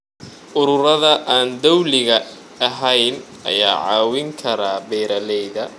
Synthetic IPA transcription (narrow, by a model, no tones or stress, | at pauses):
ʔʊɾʊɾɐðɐʔaːnd̪ɔwlɪɣɐ | ɐɦɛjn | ɐ̰ja̰ːʕɑ̰ːwɪŋkʰɐɾaːbɛːɾɐlɛjðɐ